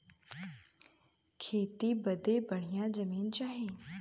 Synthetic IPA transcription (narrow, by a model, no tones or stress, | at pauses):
kʰeːt̪ibəd̪ebəɽ̤ijãd͡ʒɐmiːnt͡ʃaːɦeː